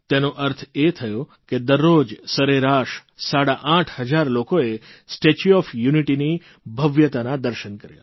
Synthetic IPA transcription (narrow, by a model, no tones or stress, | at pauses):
t̪enoʔəɾt̪ʰet̪ʰəjoked̪əɾːod͡ʒsəɾeɾaʃsaɽaʔãʈʰɦəd͡ʒaɾlokoesʈet͡ʃuɔfjuniʈini | bʱəʋjət̪anad̪əɾʃənkəɾja̰